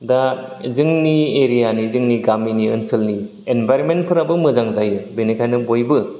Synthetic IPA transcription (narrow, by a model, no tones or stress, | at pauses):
da | zɯŋnieɾijanizɯŋniɡaminiɯnsɯlni | enbʱajɾonment̚pʰɯɾabɯmɯzaŋzajɯbenekʰajnɯbojbɯ